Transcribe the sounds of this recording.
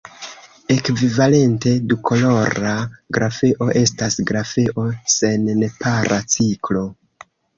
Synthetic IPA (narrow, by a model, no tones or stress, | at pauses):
e̞kvivale̞nte̞dukʰo̞lo̞ɾaɡɾafeʔo̞ʔe̞stasɡɾafeʔo̞se̞nnpaɾat͡siklo̞